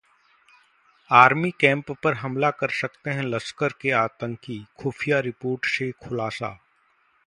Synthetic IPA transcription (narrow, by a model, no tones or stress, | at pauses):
aːɾmikɛ̃ːmpːɐɾɦɐmlakɐɾsɐkt̪eɦɛ̃lɐskəɾkeaːt̪ə̃ŋkikʰuːfʰijaɾɪpoːɾʈsekʰʊlaːsa̰ː